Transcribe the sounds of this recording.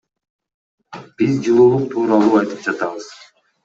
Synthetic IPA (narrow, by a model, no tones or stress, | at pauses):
b̥izd͡ʒɯlˠuːlˠuɴt̪ʰuːɾɑlˠuːɑjt̪ɯp̚d͡ʒɑt̪ɑβɯz̥